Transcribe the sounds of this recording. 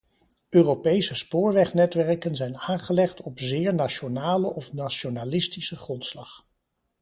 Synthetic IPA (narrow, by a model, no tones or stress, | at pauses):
ʔøːrowpejsəspʊːɹʋɛχnɛtʋɛɹkənzɛjnaːŋχəlɛχtɔpzɪːɹnaʃonaːləʔɔfnaʃonalɪstisəχrɔntslɑχ